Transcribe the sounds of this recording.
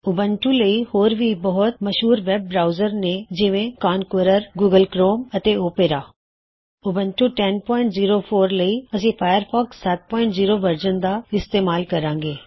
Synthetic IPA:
ʊbənʈũləihoːɾʋʱibɐɦʊt̪̚mɐʃɦuːɾʋɛːb̚ːɾaːʊzəɾnẽd͡ʒɪʋẽkaːnkəɾəɾɡuːɡəlkɾoːmɐt̪eoːpeːɾaː | ʊbə̃nʈũʈɛnpɔ̃ːɪ̃ɳʈziːɾofʰoːɾləiɐsĩːfʰaːjəɾfʰɔːksːɐt̪̚pɔ̃ːɪɳʈziːɾobəɾd͡ʒənd̪aːɪst̪eːmaːlkɐɾãːŋɡeː

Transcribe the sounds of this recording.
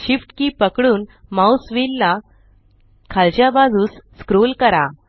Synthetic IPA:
ɕifʈkiːpəkɽuːnmausʋilːa | kʰalt͡ɕjabad͡zuːsːkɾolkəɾa

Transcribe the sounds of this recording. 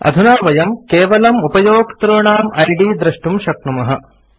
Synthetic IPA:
ɐ̰d̪ʱunaːʋɐjɐmkeːʋɐlɐmupɐjoːɡt̪ɾoːɳaːmɐjɖiːd̪ɾɐʂʈumʃɐknumɐɦɐ

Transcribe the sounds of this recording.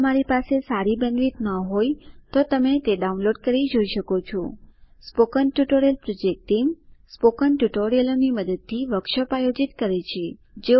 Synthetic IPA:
əmaɾipasesaɾibɛ̃ŋɡliʈ̪nəɦojt̪ot̪əmet̪eɖaunloɖkəɾid͡ʒoiʃəkot͡ʃʰɔspokənʈjuʈoɾielpɾod͡ʒek̚ʈimspokənʈuʈoɾieloniməd̪əd̪̚t̪ʰːiʋəkʃəpajod͡ʒit̪kəɾet͡ʃʰed͡ʒe

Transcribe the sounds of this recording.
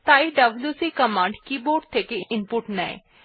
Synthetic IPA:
t̪aːiɖəbljuːsiːkəmãːɳɖkiːboːɖ̚t̪ʰeːkeɪnpuʈnɛḛː

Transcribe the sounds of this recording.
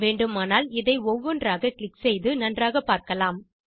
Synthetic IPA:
ʋeːɳɖɯmaːnaːlɪðɐɪɔʋːɔndraːɣɐkɭɪksɛjðɯnɐndraːɣɐpaːɾkɐlaːm

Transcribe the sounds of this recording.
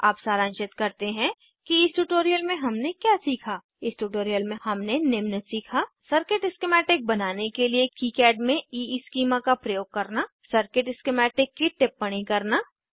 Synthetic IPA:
aːpsaːɾə̃ːnt͡ʃɪt̪kɐɾt̪eɦɛ̃ | kiɪsʈuːʈoːɾijəlmẽɦɐmnekjaːsiːkʰaː | ɪsʈuːʈoːɾijəlmẽhɐmnenɪmnət̪siːkʰasəɾkɪʈɪskemɛːʈɪk̚bɐnaːnekeliekiːkɛːɖmẽiːskiːmãkapɾɐjoːɡ̚kɐɾna | səɾkɪʈɪskemɛːʈɪkːiʈɪpːɐɽ̃ikɐɾnaː

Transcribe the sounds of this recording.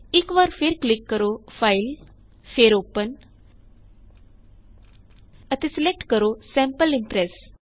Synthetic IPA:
iːkʋaɾfeɾklikːəɾofail | feɾopən | ət̪eselek̚ʈkəɾosɛ̃mpəlimpɾes

